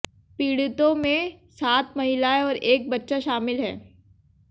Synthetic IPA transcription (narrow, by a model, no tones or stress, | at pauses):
piːɽɪt̪õmẽsaːt̪mɐɦɪlaeɔːɾeːk̚bɐtːʃaʃaːmɪlɦɛ̰ː